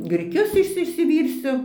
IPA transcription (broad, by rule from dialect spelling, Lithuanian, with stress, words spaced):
ɡrʲɪˈkʲʊs ˈɪʃʲsʲɪ ɪʃʲsʲɪˈʋʲiːrʲsʲʊ